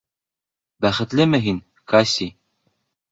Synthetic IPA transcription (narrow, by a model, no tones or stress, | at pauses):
bæχɘ̆t̪lɘmɘɦin | kasʲi